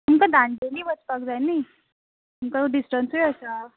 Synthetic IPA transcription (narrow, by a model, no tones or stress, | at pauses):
umkad̪ãɳɖeliːʋət͡spakd͡zajnaj | umkaɖisʈənsəɭəsa